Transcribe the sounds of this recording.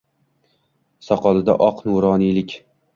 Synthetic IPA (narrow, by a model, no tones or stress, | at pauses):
sɒqʰɒlɪd̪a̰ʔɒqnuɾɒːnilɪkʲ